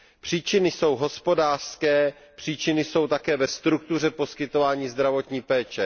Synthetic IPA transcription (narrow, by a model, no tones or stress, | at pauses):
pr̝̥iːt͡ʃɪnɪso̞wɦo̞spo̞daːr̥skɛː | pr̝̥iːt͡ʃɪnɪso̞wt̪akɛːvɛst̪ɾuk̚t̪ur̝ɛpo̞skɪt̪o̞vaːɲiːzd̪ɾavo̞t̪ɲiːpɛːt͡ʃɛ